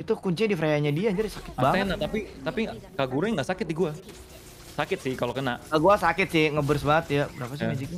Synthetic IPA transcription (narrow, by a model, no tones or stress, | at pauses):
it̪ukuɲt͡ʃɪdifɾajaɲadiaɲd͡ʒaɾisakɪ̥t̪̚baŋenat̪apit̪apikaɡuɾɛŋɡaʔsakɪt̪̚diɡua | sakɪt̪̚sɪhkalokənaʔaɡuasakɪt̪sɪhŋəbərsbaŋət̪jabɾapas̬iad͡ʒik